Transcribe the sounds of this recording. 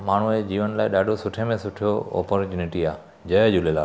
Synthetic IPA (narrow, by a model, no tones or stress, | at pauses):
maːɳ̤ued͡ʑiːʋənlaːiɗaːɖʱosʊʈʰemẽsʊʈʰijoɔ̰ːpəɾt͡ɕuːnɪʈiaː | d͡ʑəd͡ʑulelaː